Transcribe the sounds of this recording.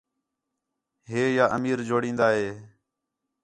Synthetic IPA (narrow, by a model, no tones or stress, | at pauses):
ɦeːjaːʔə̰miːɾd͡ʒoːɽĩːnd̪aːɦeː